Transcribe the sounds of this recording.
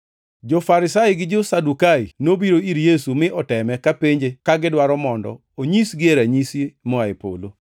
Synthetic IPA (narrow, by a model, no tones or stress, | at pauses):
d͡ʒofaɾɪsaɪɡɪd͡ʒosadukainobiɾoiɾjesumɪʔɔtɛmɛkapeɲd͡ʒekaɡɪdwaɾɔmɔndɔ̰ | oɲisɡɪeɾaɲisimɔaepo̰lo